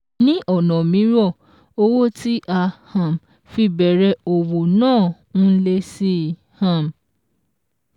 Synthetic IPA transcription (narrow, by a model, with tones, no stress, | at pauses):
nĩ˦ʔɔ˦˨nɔ̃˨mĩ˨˦ɾɔ˦˨ | o˧wo˦ti˦ʔa˧hã˨m | fi˧bɛ˨ɾɛ˧˦o˨wo˨nãː˦˨˦ | le˧si˦˨ | hã˨m